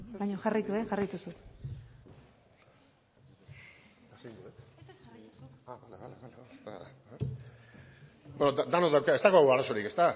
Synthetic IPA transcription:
bajɲoxarajt̪ueʝarajt̪usut̪ | asijnd̪uet̪ | aβaleβalealeast̪a̰ | benoad̪anoðawkae̞st̪aɣoɣuaɾaso̞ɾike̞st̪a

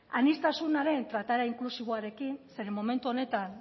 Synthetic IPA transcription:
anist̪asunaɾe̞nt̪ɾat̪aɾaiŋklusiβo̞aɾe̞kinse̞ɾe̞mome̞nt̪uo̞ne̞t̪an

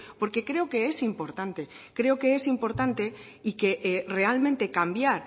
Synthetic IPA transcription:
po̞ɾkekɾe̞okeesimpo̞ɾt̪ant̪e | kɾe̞okeesimpo̞ɾt̪ant̪e | ikeʔrealmẽnt̪e̞kambjaɾ

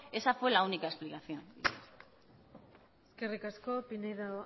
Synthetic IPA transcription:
e̞safwe̞launikaesplikaθjo̞nies | eske̞rikasko̞pineða

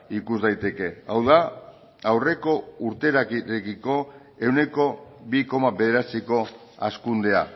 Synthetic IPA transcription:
ikuzd̪ajt̪e̞ke̞awða | awre̞ko̞uɾt̪e̞ɾaɾekiko̞ | e̞wne̞ko̞βiko̞maβe̞ðe̞ɾat͡siko̞ | askund̪e̞a

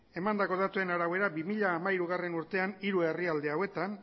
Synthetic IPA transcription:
e̞mand̪ako̞ð̞at̪ue̞naɾawe̞ɾabimiʎaːmaiɾuɣare̞nuɾt̪e̞aniɾue̞riald̪eawe̞t̪an

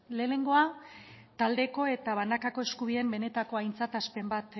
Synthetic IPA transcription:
le̞ːne̞ŋɡo̞a | t̪ald̪e̞ko̞e̞t̪aβanakako̞eskuβ̞ie̞mbe̞ne̞t̪ako̞ajnt͡sat̪aspe̞mbat̪

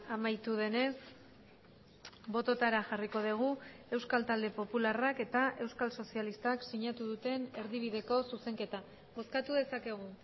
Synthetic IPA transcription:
amajt̪uðe̞ne̞s | bo̞t̪o̞t̪aɾaʝariko̞ð̞eɣ̞ue̞wskalt̪ald̪e̞po̞pularake̞t̪aʔe̞wskalso̞sialist̪aksiɲat̪uðut̪e̞ne̞ɾðiβ̞iðe̞ko̞suse̞ŋke̞t̪a | ɣo̞skat̪uðe̞sake̞ɣ̞u

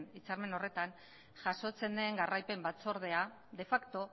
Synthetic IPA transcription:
nit͡saɾme̞no̞re̞t̪an | ʝaso̞t͡se̞nd̪eŋɡarʔajpe̞mbat̪t͡so̞ɾðe̞a | d̪e̞fakt̪o̞

